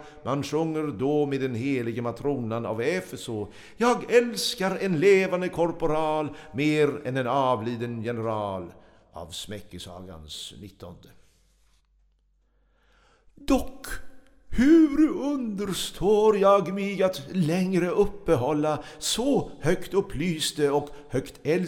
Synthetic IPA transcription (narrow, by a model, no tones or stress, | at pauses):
mʔanʂɵŋːəɾd̪ɔmeːd̪ɛnheːlɪɡəmat̪ʰɾuːnana̰vɛfɛsɔ | jɑːɡɛlskaɾɛnleːvand̪əkʰɔɾpʊɾɑːlmeːɾɛ̰nɛnɑːvliːd̪ənjɛnəɾɑːl | ʔa̰vsmɛkːəsɑ̰ːɡa̰nsnɪt̪ːɔnd̪ə | d̪ɔkː | hʉɾɵnd̪əɾʂt̪ʰoːɾjɑːɡmɛɡat̪lɛŋɾəʔɵpːəɦɔlːasɔhœkt̪ɵpʰːlyːst̪əɔkhœkt̪ɛl